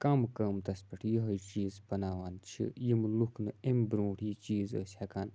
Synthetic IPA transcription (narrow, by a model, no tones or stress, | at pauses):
kɐmkɐːmt̪ɐspɐʈʰjiɦɐjt͡ʃiːzbɐnaːʋaːnt͡ʃʰḭjimlukʰnɨembɾõːʈiːt͡ʃiːzə̰ːsʲɐkaːn